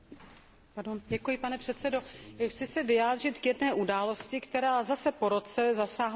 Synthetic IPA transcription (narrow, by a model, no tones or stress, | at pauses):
paɾdonɟɛkujɪpanɛpr̥ɛt̪sɛdo̞xt͡sɪsɛvɪjaːd̪r̝ɪt̪kjɛdnɛːʔudaːlo̞scɪkt̪ɛɾaːzasɛpo̞ɾo̞t͡sɛzasaːɦ